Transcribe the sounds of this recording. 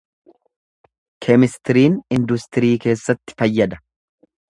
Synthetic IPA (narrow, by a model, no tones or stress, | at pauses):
kʰɛmɪst̪ɪɾiːnɪnd̪ʊst̪ɪɾiːke̞ːsːɐt̪ːɪ̥fɐjːɐd̪ɐ